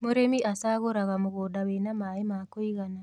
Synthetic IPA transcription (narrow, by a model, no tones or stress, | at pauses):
moɾemiʔasaːɣoɾaɣamoɣoːdawenamaemakoiɣana